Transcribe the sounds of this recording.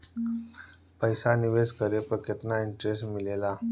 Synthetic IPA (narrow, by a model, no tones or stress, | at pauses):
pəjsaniʋeskəɾepəkʰət̪naiɳʈɾesʈmilela